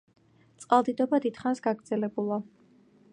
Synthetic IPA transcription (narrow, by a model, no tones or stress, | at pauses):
t̪sʼqʼalˠd̪id̪ɔbad̪id̪̥χansɡaɡɾd̪zɛlɛbulˠa